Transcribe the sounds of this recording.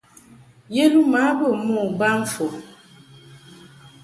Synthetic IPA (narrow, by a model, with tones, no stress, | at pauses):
je˦lu˦ma˨˦bə˨mɔ˦˨ba˦ɱ̩˦fo˨